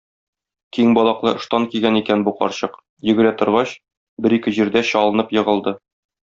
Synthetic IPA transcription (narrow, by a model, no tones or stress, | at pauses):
kiŋbɒlˠɑqlˠɤʔɤ̆ʃt̪ɑŋkiɡænikænbuqɒ̰ɾɕɤq | jɵ̆ɡɘ̆ɾæt̪ŏɾʁɑɕ | bɘɾikɘʑiɾd̪æɕɒlˠɤ̆nɤpjɤ̆ʁɤ̆lˠd̪ɤ